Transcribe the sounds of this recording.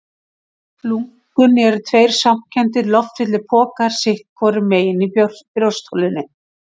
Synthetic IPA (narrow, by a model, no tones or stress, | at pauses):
luŋ | kʏnɛɾʏt̪ʰveːjɾ̥sam̥cʰɛnt̪ɪɾlɔft̪vɪt̪lɪpʰɔːkaɾ̥sɪhkkʰvɔːɾɪmeːjɪnipɾjowrst̪ʰowlɪnːɪ